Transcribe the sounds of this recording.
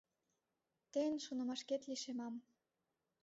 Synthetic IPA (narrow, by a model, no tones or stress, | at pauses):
t̪enʲʃonɤ̆mɑʃket̪lʲiʃemɑm